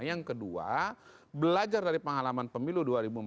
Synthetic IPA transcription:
jaŋkədua̰ | bəlad͡ʒardaɾipəŋalamanpəmiluduaɾibum

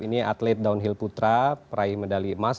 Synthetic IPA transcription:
inia̰t̪lɛt̪̚daunɦilput̪ɾapəɾaihmədalimas

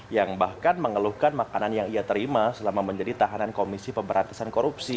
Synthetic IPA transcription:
jaŋbahkanməŋəluhkanmakananjaŋiat̪əɾimasəlamaməɲd͡ʒadit̪aɦanankomisipəmbəɾant̪ḁsankoɾupsi

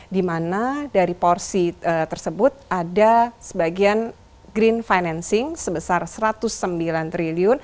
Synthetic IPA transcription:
dimanadaɾipɔrsiət̪ərsəbʊt̪̚adasəbaɡian | ɡɾinfajnɛnsɪŋsəbəsarsəɾat̪ʊsːəmbilant̪ɾiliʊn

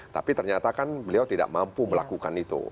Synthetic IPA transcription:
t̪a̰pit̪ərɲat̪akanbəliawt̪ida̰ʔmampuməlakukanit̪ṵ

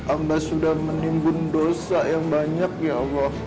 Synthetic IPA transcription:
ʔambasudahmənimbʊndosajaŋbaɲak̚jaɔlːɔh

